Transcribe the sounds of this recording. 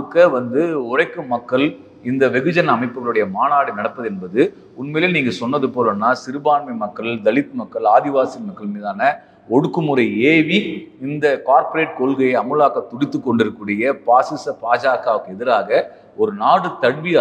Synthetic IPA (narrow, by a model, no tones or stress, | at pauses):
ɯkːɐʋɐnd̪ɯʊrɐɪkːɯmɐkːɐɭ | ɪnd̪ɐʋɛɣɯd͡ʒɐnɐːmɐɪpːɯɣɐɭɯɽɐjɐmaːnaːɽinɐɽɐpːɐðɛnbɐðɯ | ʊnmeːlɐniːŋɡɐsɔnːɐðɯpoːlɐnːaːsɪɾɯbaːnmɐɪmɐkːɐɭd̪ɐɭɪt̪ːɯmɐkːɐɭaːðɪʋaːsɪmɐkːɐɭmiːðaːnɐ | ɔɽɯkːɯmɯɾɐɪeːʋiɪnd̪ɐkaːɾpɔɾeːʈ̚kɔɭɣɐjɐɐmɯlaːkɐt̪ʊɽɪt̪ːɯkːɔɳɖɪɾɯkːɯːɽɪjɐpaːsɪsɐpaːd͡ʒaːkaːʋɯkːɯɛðɪɾaːɣɐ | ɔɾɯnaːɽɯt̪ɐɽʋi